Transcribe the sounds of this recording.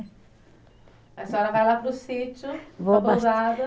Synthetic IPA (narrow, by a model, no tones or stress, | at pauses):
ɛsɐɔɾɐvajlapɾʊsit͡ʃʊvoazad̪ɐ